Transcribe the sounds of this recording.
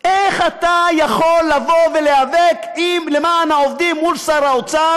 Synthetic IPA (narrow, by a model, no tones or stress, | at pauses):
eχat̪ajaχo̞lːavo̞vele̞avekimle̞maanaovd̪imːulsaɾaot͡sa